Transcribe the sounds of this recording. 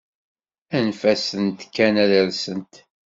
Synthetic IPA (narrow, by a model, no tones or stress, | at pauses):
ænfæsənt̪kːænæðəɾsənt̪